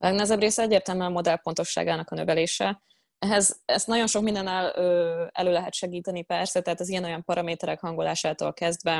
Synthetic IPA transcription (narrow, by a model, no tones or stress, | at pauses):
ɒlɛɡnɛɛzɛbreːsɛɛɟːeːrt̪ɛlmøɒmo̞d̪ɛlpo̞nt̪o̞ʃːa̰ːɡaːnɒkɒnøvɛleːʃɛ | ɛɦɛzɛst̪nɒɟo̞nʃo̞kmind̪ɛnːɛløːɛ̰løːlɛɦɛt̪ʃɛɡiːt̪ɛnipɛrsɛt̪ɛɦaːt̪ɒzijɛno̞jɒmpɒɾɒmeːt̪ɛɾɛkhɒŋɡolaːʃaːt̪o̰lkɛzd̪vɛ